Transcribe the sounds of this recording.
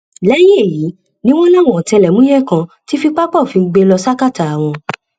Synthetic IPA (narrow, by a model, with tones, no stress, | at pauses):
lɛ˦je˦˨ji˨˦ | nĩ˦w̃ɔ̃˦nã˦˨ɔ̃˨tɛ˧lɛ˨mũ˨˦jɛ˦˨kã˧ti˦fi˧k͡pa˦k͡pɔ˦˨fi˧ɡ͡be˧lɔ˧sa˦ka˦˨ta˨a˨w̃ɔ̃˧